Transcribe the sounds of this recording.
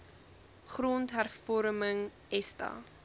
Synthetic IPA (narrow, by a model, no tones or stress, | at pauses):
χroːntɦærfɔɾməŋ | ɛstɑ̰